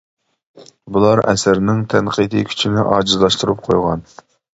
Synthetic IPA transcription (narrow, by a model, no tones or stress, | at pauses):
bulˠɑɾɛ̰sɪɾnɪŋt̪ʰɛnqʰid̪ikʲʰy̥t͡ʃʰinɪʔɑːd͡ʒɨzlˠɑʃt̪uɾup̚qʰo̰jʁɑ̰n